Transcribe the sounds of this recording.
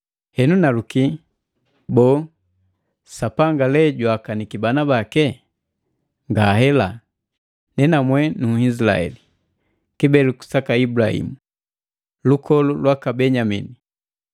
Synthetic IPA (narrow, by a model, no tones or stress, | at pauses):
hɛnunaluki | bɔː | sapaŋɡalɛɟwakanikibanabakɛ | ŋɡaːhɛla | nɛnamwɛnuisila̰ɛ̰li | kibɛluku̥sakaibulahḭmu | lukʰɔlulwakabɛɲamini